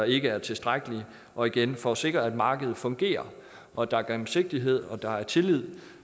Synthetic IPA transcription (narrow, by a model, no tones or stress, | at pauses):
ɑ̈e̝ɡ̥əæɐt͡sʰe̝sd̥ʁaɡ̥əli | ʔɒ̽iɡ̥enfɒse̝ɡ̥ʁɐæd̥mɑ̈ːɡ̥əð̩ˠfɔ̽ŋɡ̥e̝̰ːɐ | ʔɒ̽d̥ɑ̈æɐɡ̥emm̩se̝ɡ̥̚d̥iɦe̝ð̰ˠɒ̽d̥ɑ̈æɐt͡sʰe̝lið̰ˠ